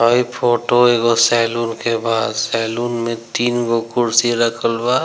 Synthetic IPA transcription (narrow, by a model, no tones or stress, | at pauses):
əipʰoːʈoeɡɔsɛːluːnkebaːd̪sɛluːnmẽt̪iːnɡokʊɾsiɾəkʰəlba